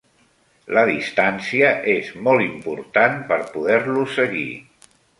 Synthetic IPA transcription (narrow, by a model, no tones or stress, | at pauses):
ləðist̪ansiəʔezmɔlˠimpuɾt̪anpəɾpuðɛɾlusəɣḭ